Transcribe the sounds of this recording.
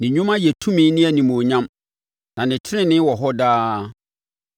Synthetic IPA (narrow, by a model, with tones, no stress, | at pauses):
nɪ̃˨ɲᶣũ˦mã˦jɛ˨tʰũ˦mĩ˦nɪ̃˦æ˨nĩ˨m˨õ˨ɲã˦m | nã˨nɪ̃˨tʰɪ˦ɾɪ̃˦nɪ̃˦wɔ˨ɦɔ˦daː˦